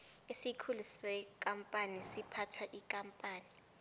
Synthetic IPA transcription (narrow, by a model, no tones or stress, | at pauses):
esikʰulisɛk̬ʼampʼanisipʰatʰaʔikʼampʼaːni